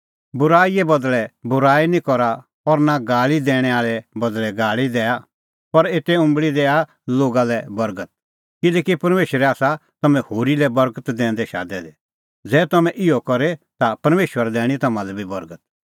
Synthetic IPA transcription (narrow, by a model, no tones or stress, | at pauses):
bʊɾaːiɛbɐd̪lɛbʊɾaːinĩkɔɾa | ɔɾnaɡaːɭid̪ɛːɽ̃ɛaːɭɛbɐd̪lɛɡaːɭid̪ɛːa | pɐɾeːt̪eʊ̃mbɭid̪ɛːa | loːɡalɛbɐɾɡət̪̚ | kɪlɛːkipɐɾmeːʃəɾɛaːsat̪ɐmɛ̃hoːɾilɛbɐɾɡət̪d̪ɛ̃ːnd̪ɛʃa̰ːd̪ɛd̪ɛ | d͡zɛːt̪ɐmɛ̃ʔɪɔkɔɾet̪apɐɾmeːʃwəɾɛd̪ɛ̃ːɽ̃it̪ɐmalɛbʱibɐɾɡət̪̚